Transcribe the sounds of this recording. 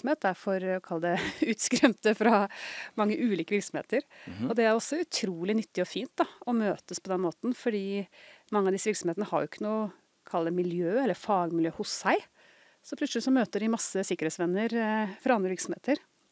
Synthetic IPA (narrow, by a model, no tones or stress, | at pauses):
smheːt̪̚d̪æɾfɔɾkʰɑld̪ɛʉːt̪skɾɛmt̪əfɾɑmɑŋːəʔʉːliːkəʋɪɾksɔmhḛːt̪əɾɔd̪ɛæɾɔsːɔʉt̪ʰɾuːlɪnʏt̪ːɪɔfiːnt̪̚d̪ɑɔmøːt̪əspʰɔd̪ɛnːmoːt̪n̩fɔɖiːmɑŋːəɑʋd̪ɪsːəʋɪɾksɔmheːt̪nəhɑ̰ɾjʊɪkːənuː | kʰɑlːd̪ɛmɪljøːɛlːəɾfɑːɡmɪljøːhʊsːæɪ | sɔpʰlʉt̪slɪsɔmøːt̪əɖɪmɑsːəsɪkːəɾhet̪sʋɛnːəɾfɾɑɑnd̪ɾəʋɪɾksɔm̩heːt̪əɾ